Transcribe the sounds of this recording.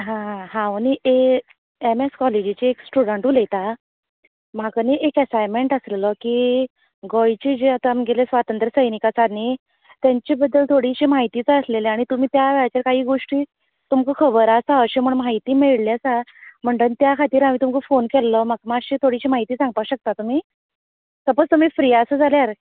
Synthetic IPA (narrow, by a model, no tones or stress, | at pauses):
ɦãɦãənie | emeskɔled͡ʑit͡ɕeeksʈuɽəɳʈɦolejt̪a | m̤akəniʔekəsajmeɳʈəsleləki | ɡɔjt͡ɕid͡ʑeat̪amɡʱelesʋat̪ənt̪ɾəsəjnikat͡saɾne | t̪jaɲt͡ɕibəd̪ːəlt̪ʰoɽiɕiːmaɦit̪iːt͡səsleleaɽ̃it̪um̤iːt̪jaʋɛɭat͡ɕaɾkaɦiːɡoʂʈiː | t̪umkəkʰəbəɾasaəɕem̤əɳmaɦit̪iːmeɭljat͡sam̤əɳʈ̪ənt̪jakʰat̪iːɾam̤iːt̪umkəfonkelːəmakmaɕet̪ʰoɽiɕiːmaɦit̪iːsãŋɡ̚paɕək̚t̪at̪um̤iː | t̪əpət͡st̪um̤iːfɾiasəd͡zʱaljaɾ